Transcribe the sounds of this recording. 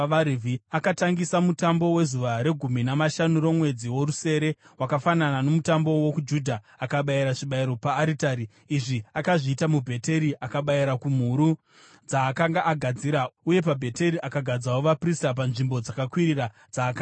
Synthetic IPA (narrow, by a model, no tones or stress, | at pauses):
aɾivʱiakataŋɡisamutambo̞we̞zuʋaɾe̞ɡʱuminamaʃanuɾo̞mwe̞d͡ziwo̞ɾuse̞ːɾe̞wakafananano̞mutambo̞wokud͡ʒudʱaːkaɓaiɾaʐiɓaiɾo̞paːɾitaɾiː | ʐiakaʐiːtamubʱe̞te̞ɾiʔakaɓaiɾakum̤uɾu | d͡zaːkaŋɡaʔːɡʱad͡ziɾauje̞p̬abʱe̞te̞ɾiʔakaɡʱad͡zawoʋapristap̬anʐimbo̞d͡zakakwiɾira | d͡zaːka